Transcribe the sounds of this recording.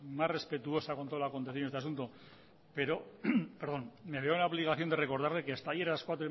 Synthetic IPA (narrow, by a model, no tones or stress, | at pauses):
masre̞spe̞t̪uo̞sako̞nt̪oolako̞nt̪eθjonet̪easunt̪o̞ | pe̞ɾo̞peɾðo̞nme̞βe̞ounaoβliɣ̞aθjo̞nd̪e̞re̞ko̞ɾð̞aɾle̞keast̪ajeɾalaskwat̪ɾo